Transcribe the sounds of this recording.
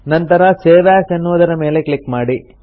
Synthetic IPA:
nɐnt̪ɐɾɐseːʋaːsenːuʋud̪ɐɾɐme̞ːle̞klikmaːɽi

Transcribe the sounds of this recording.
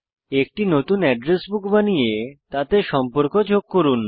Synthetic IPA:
ek̚ʈinot̪unɛɖɾesbukbanijet̪at̪eʃɔmpoɾkod͡ʑoɡ̚koɾun

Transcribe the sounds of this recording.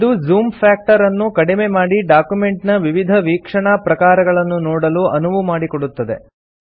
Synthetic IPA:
id̪uzuːmpʰaːk̚ʈɐɾɐnːukɐɽimemaːɽiɖaːkjume̞ɳʈnɐʋiʋid̪ʱɐʋiːkʂɐɳapɾɐkaːɾɐɡɐɭɐnːunɔːɽɐluɐnuʋumaːɽikoɽut̪ːɐd̪e̞̰

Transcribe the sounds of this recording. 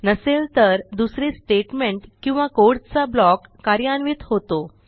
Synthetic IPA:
nəselt̪əɾd̪usɾiːsʈeʈmeɳʈkĩw̃ʋakoɽt̪t͡sablɔkːaɾjanʋiːt̪ɦot̪o

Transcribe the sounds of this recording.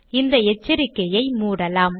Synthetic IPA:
ɪnd̪ɐɛt͡ʃːɪɾɪkːɐjɐɪmuːɽɐlaːm

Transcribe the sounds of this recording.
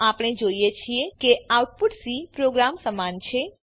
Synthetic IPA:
apɽ̃ed͡ʒoijet͡ʃʰiekeawʈ̚puʈsipɾoɡɾamsəmant͡ʃʰe

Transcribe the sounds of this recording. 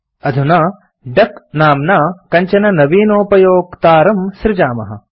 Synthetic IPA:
ɐd̪ʱunaː | ɖɐknaːmnaːkɐɲt͡ʃɐnɐnɐʋiːnoːpɐjoːkt̪aːɾɐmsɾɪd͡ʒaːmɐɦɐ̰̆

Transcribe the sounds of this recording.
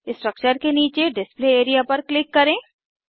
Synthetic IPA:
ɪsʈɾək̚t͡ʃəɾkeniːt͡ʃeɖɪspleeːɾijapɐɾklɪkːɐɾẽː

